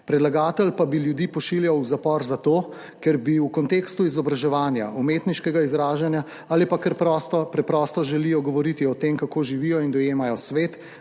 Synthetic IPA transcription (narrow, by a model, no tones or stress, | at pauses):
pɾɛd̪laɡaːt̪ɛlpabiljud̪ipɔʃiljawzapɔɾzat̪oː | kɛɾbiukɔnt̪eːkst̪uizɔbɾaʒɛʋaːnja̰ʔumet̪niʃkɛɡaizɾaːʒanja | aːlipakɛɾpɾɔst̪ɔpɾɛpɾɔst̪ɔʒɛlijɔɡɔʋɔɾit̪iɔt̪emkakoːʒiʋiːjɔind̪ɔjeːmajɔsʋeːt̪